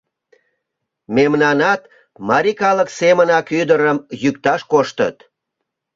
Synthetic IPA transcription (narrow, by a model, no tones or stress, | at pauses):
memnɑnɑt̪ | mɑɾikɑləksemənɑkyd̪əɾəmjykt̪ɑʃkoʃt̪ə̰t̪